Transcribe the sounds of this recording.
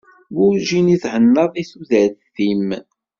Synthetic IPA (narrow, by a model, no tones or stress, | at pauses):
wʊɾʒiniθħənːəðˤiθuðæθθim